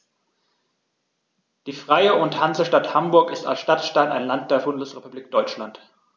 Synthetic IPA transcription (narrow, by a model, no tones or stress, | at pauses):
d̥iːfʁ̥aɪəʊnthanzəʃtathambʊɐkɪsta̰lsʃtatʃtaɪnaɪnlant̚d̥eːɐbʊndəsʁepubliːk̚d̥ɔʏt͡ʃlant